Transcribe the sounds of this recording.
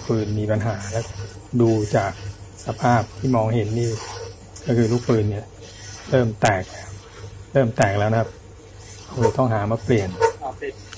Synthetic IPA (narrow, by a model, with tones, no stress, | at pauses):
pɯː˧nmiː˧pa˧nɦaː˩˦lɛː˦˥wduː˧t͡ɕaː˨˩k̚sa˧pʰaː˥˩p̚t̪ʰiː˥˩mɔː˧ŋɦe˩˦nːiː˧˩ | kɔː˥˩kʰɯː˧luː˥˩k̚pɯː˧nːi˥˩ɐ | ɾɤː˥˩mt̪ɛː˨˩k̚ | ɾɤː˥˩mt̪ɛː˨˩k̚lɛː˦˥wna˧kʰa˥p̚ | ʔa˧whi˧˩t̪ɔ˥˩ŋɦaː˩˦maː˧˩pli˨˩ən